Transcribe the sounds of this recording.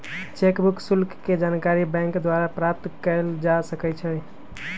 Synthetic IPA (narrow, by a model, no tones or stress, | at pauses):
t͡ʃekbuksulkːed͡ʒankaɾibɛ̃ŋkd̪waɾapɾap̚t̪kəld͡ʒasəkɛt͡ʃʰɛ